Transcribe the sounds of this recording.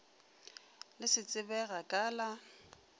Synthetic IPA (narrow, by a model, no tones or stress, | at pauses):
lɪsɪt͡sʼɪbɛɣakʼaːla